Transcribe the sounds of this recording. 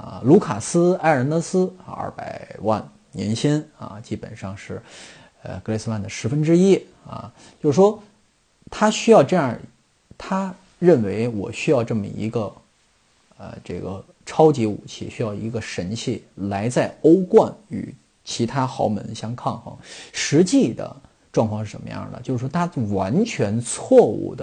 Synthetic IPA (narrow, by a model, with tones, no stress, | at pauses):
lu˧˥kʰa˨˩sɹ̩˥a˥˩ɪə˧˥nɤ˧˥sɹ̩˥˧ɐ̰˥˩pa˨˩ɪwa̰˥˩n | njɛ̰˧˥nɕʰi˥nɐ̰˧˩t͡ɕi˥pə̰˨˩nʂɑ˥˧ŋʂɻ̩˥˩ | ə̰˧kɤ˧˥le˧sɹ̩˧wa˥˩nd̪ə˩ʂɻ̩˧˥fə˥nʈ͡ʂɻ̩˥i˥ | ɐ̰˨˩ | t͡ɕjo˥˧ʊʂwɔ˥ | t̪ʰa˥ɕy˥jɑ˥˧ʊʈ͡ʂɤ˥˧jɑ˥˩ | t̪ʰa˥ | ɻə˥˩nwe˧˥ɪwɔ̰˨˩ɕy˥jɑ˥˧ʊʈ͡ʂɤ˥˩mə̰˨˩ḭ˧˥ɡə˧ | ə̰˧ʈ͡ʂɤ˥˩ɡə˩ | ʈ͡ʂʰɑ˥ʊt͡ɕi˧˥ṵ˨˩t͡ɕʰḭ˥˩ɕy˥jɑ˥˩ʊi˧˥ɡə˧ʂə˧˥nt͡ɕʰi˥˩la˧˥ɪt͡sa˥˩ɪo˥ʊkwa˥˩ny̰˨˩ | t͡ɕʰi˧˥t̪ʰa˥xɑ˧˥ʊmə̰˧˥nɕjɑ˥ŋkʰɑ˥˩ŋxɤ̰˧˥ŋʂɻ̩˧˥t͡ɕi˥˩d̪ə̰˩ | ʈ͡ʂwŋkʰwɑ˥˧ŋʂɻ̩˥˩ʂə̰˧˩mə˦jɑ̰˥˩d̪ə̰˨t͡ɕo˥˧ʊʂʂwɔ˥t̪ʰa˥˩wa˧˥nt͡ɕʰɥɛ˧˥nt͡sʰwɔ˥˧ṵ˥˩d̪ə˩